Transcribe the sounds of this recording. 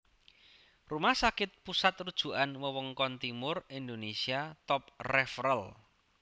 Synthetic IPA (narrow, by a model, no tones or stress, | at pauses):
rumahsakɪt̪̚pusat̪rud̥ʒ̥ṳʔanwəwɔŋkɔnt̪imʊrind̪onesiat̪ɔp̚rɛfrəl